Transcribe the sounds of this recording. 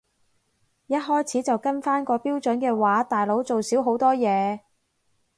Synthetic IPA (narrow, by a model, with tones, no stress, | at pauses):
jɐ˥t̚ɦɔː˥jt͡sʰiː˨˥t͡sɐ˨wkɐ˥nfaː˥nkɔː˧piː˥wt͡ʃɵ˨˥nkɛː˧waː˨˥t̪aː˨jlo˨˥wt͡so˨wsiː˨˥wɦo˨˥wt̪ɔː˥jɛː˨˧